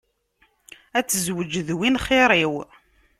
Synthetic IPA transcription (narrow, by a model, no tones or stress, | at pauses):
æt͡sːəzwəd͡ʒəðwinχɪɾˤiw